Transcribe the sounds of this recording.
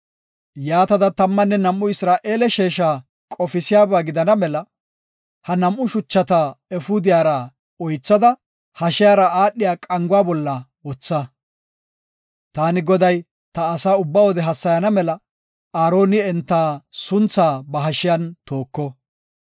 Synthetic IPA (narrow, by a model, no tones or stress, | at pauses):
jaːt̪ɐd̪ɐt̪ɐmːɐnːɛnɐmʔːʊɪsɾaːʔe̞ːlɛʃeːʃaː | kʼɔfɪsɪjaːbaːɡɪd̪ɐnɐmɛlɐ | hɐnɐmʔʊʃʊt͡ʃːɐt̪aɛfʊd̪ɪjaːɾɐ | ɔjt͡sːɐd̪ɐ | hɐʃɪjaːɾɐaːɗːɪjaːkʼɐŋɡʊwaːbɔlːɐwɔt͡sːɐ | t̪aːnɪɡɔd̪ɐj | t̪ɐːsaːʊbːawɔd̪ɛɦɐsːɐjɐnɐmɛlɐ | aːɾo̞ːnɪɛnt̪ːaːsʊnt͡sːaːbɐɦɐʃɪjɐnt̪o̞ːkːɔ